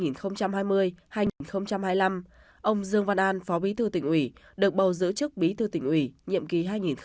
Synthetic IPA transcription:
ŋi˨˩nxə˧wŋ͡mt͡ɕa˧mhɦaː˧jmɨ˧əjhaː˧jŋi˨˩nxə˧wŋ͡mt͡ɕa˧mhaː˧jla˧m | ʔə˧wŋ͡mzɨ˧əŋva˧nʔaː˧nfɔ˨˦ɓi˨˦t̪ʰɨ˧˩t̪ḭ̈˧˩ŋ̟ʔwi˧˩ɗɨ˨˩ək̚ɓə˨˩wzɨ̰˧˥t͡ɕɨ˦˥k̚ɓi˨˦t̪ʰɨ˧˩t̪ḭ˧˩ŋ̟ʔwi˧˩ɲḭ˧˨əmki˨˩˦ɦaː˧jŋi˨˩nx

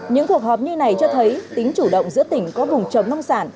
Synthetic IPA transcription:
ɲɨ̰˧˥ŋku˨˩ək̚hɔ˨˩p̚ɲi˧na˨˩jt͡ɕɔ˧t̪ʰə˨˦jt̪ï˨˦ŋ̟t͡ɕu˧˩ɗə̰˧˨wŋ͡mzɨ̰˧˥t̪ï˧˩ŋ̟kɔ˨˦vʊ˨˩ŋ͡mt͡ɕə˨˩wŋ͡mna˧wŋ͡msaː˧˩n

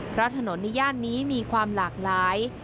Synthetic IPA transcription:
pʰɾɔ˦˥t̪ʰa˧no˩˦nːa˧˦jaː˥˩t̪̚niː˦˥miː˧kʰwaː˧mlaː˨˩k̚laː˨˩˦j

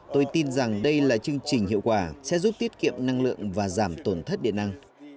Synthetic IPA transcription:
t̪o˧jt̪i˧nza˨˩ŋɗə˧jlaː˨˩t͡ɕɨ˧əŋt͡ɕï˨˩ŋ̟hḭ˧˨əwkwaː˧˩sɛ̰˧˥zu˦˥p̚t̪i˦˥ət̚kḭ˧˨əmna˧ŋlɨ̰˧˨əŋvaː˨˩zaː˧˩mt̪o˧˩nt̪ʰə˦˥t̚ɗḭ˧˨ənːa˧ŋ

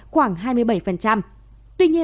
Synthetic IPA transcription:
xwaː˧˩ŋɦaː˧jmɨ˧əjɓə˧˩jfə˨˩nt͡ɕa˧m | t̪wi˧ɲi˧ə

